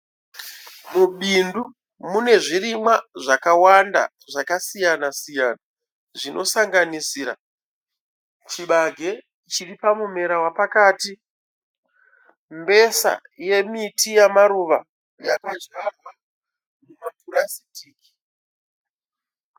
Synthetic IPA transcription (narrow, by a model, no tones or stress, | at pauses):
muɓindu | mune̞ʐirimwaʐakawanda̰ | ʐakasijanasijaːna | ʐinʔo̞saŋɡanisiːɾa̰ | t͡ʃiɓaɡʱe̞ | t͡ʃiripamum̤e̞ɾawapakaːti | mbe̞sa̰je̞mitʰijamaɾuʋa | jakad͡ʒarwa | numapuɾasitiːki̥